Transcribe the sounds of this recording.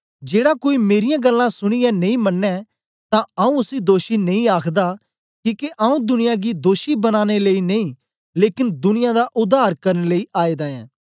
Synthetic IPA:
d͡ʒeːɽakoːimeːɾɪjãɡəlːãsʊɽ̃ɪjãnɐ̃ĩmɐnːɛ | t̪ãɐũʊsid̪oːʃinɐ̃ĩaːkʰd̪a | kiːkeʔɐũd̪ʊnɪjãɡid̪oːʃibɐnaːñeleineĩ | leːkɪnd̪ʊnɪjãd̪aʔʊd̪aːɾkɐɾneləiʔaːed̪aːɛ̰̃ː

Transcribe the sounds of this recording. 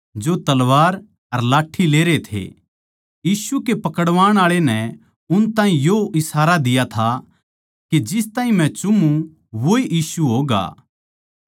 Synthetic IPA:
d͡ʒot̪ɐlʋaːɾ | ɐɾlaːʈʰːileːɾet̪ʰḛ | jiːsukepɐkəɽʋaːɽ̃aːɭenɛ | ʊnt̪ãːɦĩjoʔɪsaːɾad̪ɪjat̪ʰa | ked͡ʒɪst̪ãːɦĩmɛ̃t͡ʃʊmːũ | ʋoiʔiːsuɦoːɡa̰ː

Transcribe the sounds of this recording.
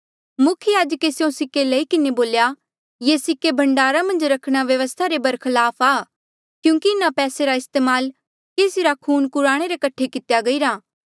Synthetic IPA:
mʊkʰjjaːd͡ʒəkesjõsɪkːelɐikɪneboːlja | jeːsɪkːebʱɐ̃ɳɖaːɾamɐ̃nd͡ʒɾɐkʰɽ̃aʋjɐʋəst̪ʰaɾebɐɾkʰɐlaːpʰaː | kjũːkiɪnapɛːseɾaɪst̪eːmaːl | keːsiɾakʰuːnkʊɾaːɽ̃eɾekɐʈʰːekɪt̪jaɡɐiɾaː

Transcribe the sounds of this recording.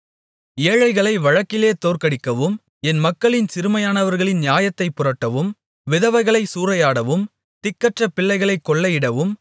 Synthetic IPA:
ɪɐɻɐɪɣɐɭɐɪʋɐɻɐkːɪleːt̪oːɾkɐɽɪkːɐʋɯm | ɛnmɐkːɐɭɪnsɪɾɯmɐjaːnɐʋɐɾɣɐɭɪnnjaːjɐt̪ːɐɪpːʊrɐʈːɐʋɯm | ʋɪðɐʋɐɪɣɐɭɐɪsuːɾɐjaːɽɐʋɯm | t̪ɪkːɐʈrɐpɪɭːɐɪɣɐɭɐɪkːɔɭːɐjɪɽɐʋɯm

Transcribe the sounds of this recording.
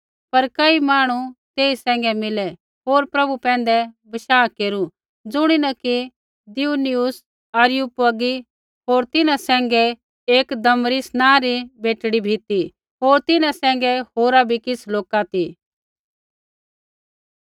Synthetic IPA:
pɐɾkɐimaːɽ̃ut̪eːisɛ̃ːŋ̆ɡɛmɪlɛ | ɦoːɾpɾɐbupɛ̃ːn̆d̪ɛbɐʃaːkeːɾu | d͡zʊɽ̃inɐki | d̪ɪunɪʊs | ɐɾɪjuːpʊɐɡi | ɦoːɾt̪ɪnãsɛ̃ːŋɡɛ | eːkd̪ɐmɾisnãːɾibʱeːʈɽibʱit̪i | ɦoːɾt̪ɪnãsɛ̃ːŋ̆ɡɛhoːɾabʱikɪsloːkat̪i

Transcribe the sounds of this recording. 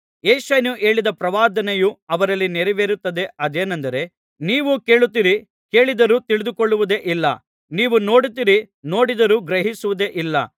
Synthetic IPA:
eːʃenuʔe̞ːɭid̪ɐpɾɐʋaːd̪ɐnejuɐʋɐɾɐlːinɛɾɛʋeːɾut̪ːɐd̪e̞ʔɐd̪eːnɐnd̪ɐɾe̞ | niːʋuke̞ːɭut̪ːiɾi | ke̞ːɭid̪ɐɾuːt̪iɭid̪ukoɭːuʋud̪e̞ʔilːɐ̰ | niːʋuno̞ːɽut̪iɾi | no̞ːɽid̪ɐɾuːɡɾeɦisuʋud̪e̞ʔilːɐ̰

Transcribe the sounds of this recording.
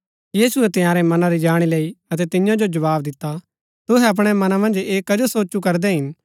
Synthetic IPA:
jiːsʊɛt̪ɪjaːɾɛmɐnaɾid͡ʒaːɽ̃ileːiɐt̪ɛt̪ɪjãd͡ʒod͡ʒɐʋaːbd̪ɪt̪ːa | t̪ʊɦɛɐp̬ɽ̃ɛmɐnamɐ̃nd͡ʒeːkːɐd͡ʒosoːt͡ʃukɐɾd̪ɛɦɪn

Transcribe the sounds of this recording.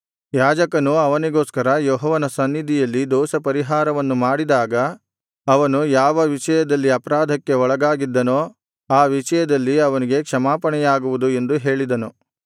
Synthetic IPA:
jaːd͡ʒɐkɐnuɐʋɐniɡoːskɐɾɐjɔːɦɐʋɐnɐsɐnːid̪ʱijɐlːid̪ɔːsɐpɐɾiɦaːɾɐʋɐnːumaːɽid̪aːɡɐ | ɐʋɐnujaːʋɐʋiʂɐjɐd̪ɐlːiɐpɐɾaːd̪ʱɐkːeɔɭɐɡaːɡid̪ːɐnoː | aːʋiʂɐjɐd̪ɐlːiɐʋɐniɡe̞kʂɐmaːpɐɳɛjaːɡuʋud̪ue̞nd̪uɦe̞ːɭid̪ɐnu

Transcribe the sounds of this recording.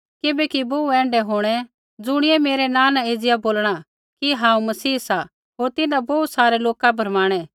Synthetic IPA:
kɪbɛkiboːuɛ̃ːɳɖɛɦoːɽ̃ɛ | d͡zʊɽ̃ɪɛmeːɾɛnãːnãeːd͡zɪjaboːlɽ̃a | kiɦãːũmɐsiːsa | ɦoːɾt̪ɪnãboːt̪saːɾɛloːkabʱɐɾmaːɽ̃ɛ

